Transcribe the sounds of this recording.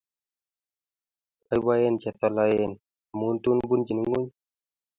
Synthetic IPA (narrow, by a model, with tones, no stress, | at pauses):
ajwaje˦nt͡ʃɛ˨t̪ɔ˧lajen | munt̪u˦nbu˦nd͡ʒi˨nu˦ŋɡu˦ɲ